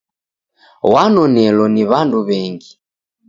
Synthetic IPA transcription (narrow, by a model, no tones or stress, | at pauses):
wanɔnɛlɔniβanduβɛŋɡi